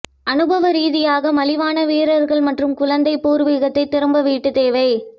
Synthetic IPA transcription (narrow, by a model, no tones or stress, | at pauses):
ɐnɯbɐʋɐɾiːðɪjaːɣɐmɐlɪʋaːnɐʋiːɾɐɾɣɐɭmɐʈrɯmkʊɭɐnd̪ɐɪpuːɾʋiɣɐt̪ːɐɪt̪ːɪɾɯmbɐʋiːʈːɯt̪eːʋɐɪ